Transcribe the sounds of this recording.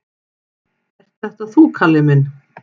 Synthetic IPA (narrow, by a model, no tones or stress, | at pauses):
ɛr̥t̪θɛht̪aθukʰalːɪmɪn